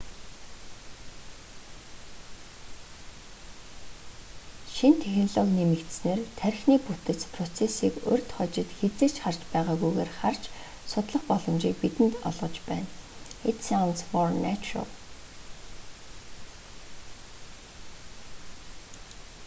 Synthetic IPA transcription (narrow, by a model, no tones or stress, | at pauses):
ʃint̪ʰexnɮoɣniːmekt̪sneːrt̪ʰæɾʲxniːput̪ɘ̆t͡spʰrɔt͡sʰesiːkʊ̰rʲt̪χɔt͡ɕɪ̆t̪xet͡seːt͡ɕχar̥t͡ɕpæːʁaːɣujɣeːrχart͡ɕ | sʊt̪ɮɞ̆χpɔɮɞ̆mt͡ɕiːk̚pit̪ɘ̆nt̪ɔ̰ɮʁɞ̆t͡ɕpæːnet̪sawnsfɔrnæt͡ɕro̰